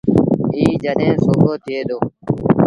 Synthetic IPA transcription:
iːd͡ʒəɗẽːsoːkoːt̪ʰɪeːd̪oː

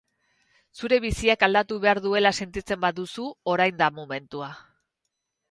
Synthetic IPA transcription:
suɾe̞βisiakald̪at̪uβe̞aɾðue̞lase̞nt̪it͡se̞mbaðusuo̞ɾajnd̪amome̞nt̪ua

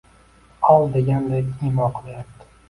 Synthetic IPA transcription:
ɒlˠd̪eɡʲand̪aimɒnqʰɨlˠajap̚t̪ɪ̥

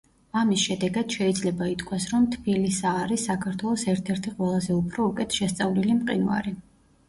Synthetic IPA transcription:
amisʃɛd̪ɛɡad̪̥ʃɛid̪zlɛbait̪ʰkʰwasɾɔmt̪ʰbilisaːɾisːakʰaɾt̪ʰwɛlˠɔsɛɾt̪ʰɛɾt̪ʰiqʼwɛlˠazɛupʰɾɔukʼɛt̪ʰʃɛst̪sʼavlilimqʼḭna̰ɾi

